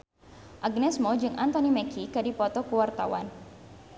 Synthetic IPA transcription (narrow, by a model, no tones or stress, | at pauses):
ʔaɡnɛsmɔd͡ʒɨŋʔant̪ɔnimɛkʰikadipɔt̪ɔkuwart̪awan